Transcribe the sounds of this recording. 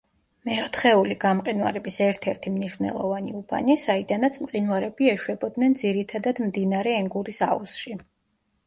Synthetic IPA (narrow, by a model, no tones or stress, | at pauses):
mɛɔt̪ʰχɛuliɡamqʼinwa̰ɾɛbisɛɾt̪ʰɛɾt̪ʰimniʃvnɛ̰lˠɔ̰vanḭubʰa̰nisaid̪anat̪sʰmqʼinwaɾɛbiɛʃwɛbɔd̪nɛnd̪ziɾit̪ʰad̪ad̪md̪inaɾɛːŋɡuɾisa̰ṵsʃi